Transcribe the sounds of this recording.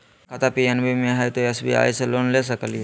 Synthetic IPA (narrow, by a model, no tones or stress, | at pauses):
kʰat̪apiɛnbimẽɦɛt̪oɛsbḭa̰ːjseloːnles̬əkəlie